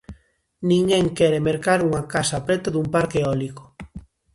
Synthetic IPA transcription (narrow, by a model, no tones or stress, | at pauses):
nĩŋɡeŋkɛɾemeɾkaɾuŋakasapɾɛt̪aðumpaɾkeɔliko̥